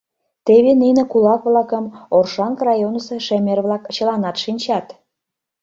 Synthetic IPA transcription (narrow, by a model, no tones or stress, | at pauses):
t̪eβeninĕkulɑkβlɑkə̆morʃɑŋkrɑjonəsĕʃemʲerβlɑkt͡ɕə̆lɑnɑt̪ʃinʲt͡ɕɑt̪